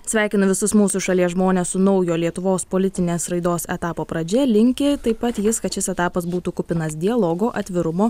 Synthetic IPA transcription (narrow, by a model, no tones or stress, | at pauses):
sʲʋʲæˑɪkʲɪnʊʋʲɪsʊsmuːsʊʃɐlʲiɛsʒmoːnʲeːssʊnɒʊjoːlʲiɛt̪ʊʋoːspoːlʲɪt̪ʲɪnʲeːsɾɐɪd̪oːsɛt̪ɑːpoːpɾɐd͡ʒʲɛlʲɪŋʲkʲɪt̪ɐɪpɐt̪jɪskɐt̪ʃʲɪsɛt̪ɑːpɐs̬buːt̪uːkʊpʲɪnɐs̬d̪ʲɪɛlˠoːɡoːʔɐt̪ʲʋʲɪɾʊmoː